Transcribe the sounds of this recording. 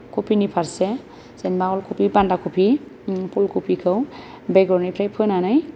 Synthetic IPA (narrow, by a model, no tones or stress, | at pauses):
kʰopʰinipʰaɾsɛ | senmaɔlkʰupʰibandakʰupʰipʰolkʰupʰikʰɯw | bejɡɔɾnajpʰɾajpʰɔnanaj